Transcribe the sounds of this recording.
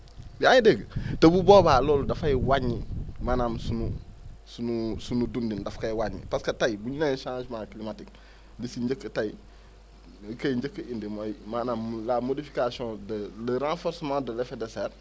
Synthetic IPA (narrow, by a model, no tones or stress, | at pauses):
biãjideɡtɐbuboːbaːloːldafajiwaɲːimanamsunusunusunudundindafkajwaɲːḭpaskɐtajbuɲinaʃãːʃmaklimatik̚ | lisiɲd͡ʒəkːətaj | kajiɲd͡ʒəkːəindimojimaːnaːmlamodifi̥kasiõdləɾãːfoɾsmãːdɐlefedeseːɾ